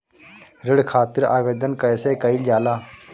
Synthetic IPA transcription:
ɾɪɽkʰaːt̪ɪɾa̰ːʋeːd̪ənkəeːseːkəild͡ʒaːlaː

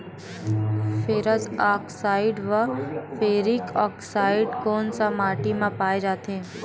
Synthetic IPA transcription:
fʰeɾəsaːksaːɪɖʋəfʰeːɾikɔːksaːɪɖkoːnsamaːʈimãpaːed͡ʒaːt̪ʰẽː

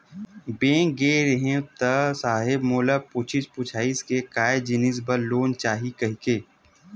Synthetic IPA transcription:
bẽːɡeːɾeɦẽt̪əsaːɦɪbmoːlapʊt͡ʃʰɪspʊt͡ʃʰaːiskekaːed͡ʒɪnɪs̬bɐloːnt͡ʃaːɦikɐɦkeː

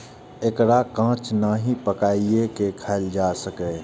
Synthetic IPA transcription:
ekɾakãːt͡ʃnaɦipəkaːiekekʰaːld͡ʒaːsəkeː

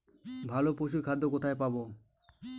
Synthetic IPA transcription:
bʱalopoʃ̬uɾkʰad̪ːokot̪ʰaepabo

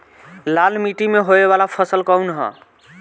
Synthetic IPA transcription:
lalmiʈimeɦoebalapʰəsəlkəunɦə̰̃

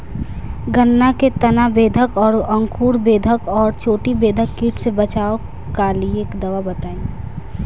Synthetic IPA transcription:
ɡənːaket̪ɐnabeːd̪ʱəkɔːɾə̃ŋkʰuːɾbeːd̪ʱəkɔːɾt͡ʃʰoːʈibeːd̪ʱəkːiːʈʰsebət͡ʃaːo | kalieːkd̪ɐʋabət̪aːi

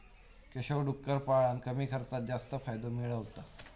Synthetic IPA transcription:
keɕokɖukːəɾpaɭankəmiːkʰəɾt̪at̪̚d͡ʑast̪əfajd̪omiɭəʋt̪a

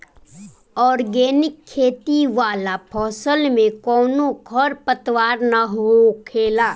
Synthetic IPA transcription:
ɔːɾɡeːnɪkʰːeːt̪iʋaːlapʰɔːsəlmẽkɔːnoɡʰʱɔɾpət̪waːɾnaɦokʰeːlaː

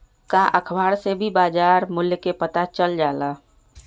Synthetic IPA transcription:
kaʔəkʰbaːɾsebʱibaːd͡ʒaːɾmʊljkepət̪at͡ʃəld͡ʒaːla

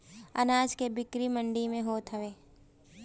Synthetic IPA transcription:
ɐ̰naːd͡ʒkebɪkɾimə̃ɳɖimẽɦoːt̪ɦəʋeː

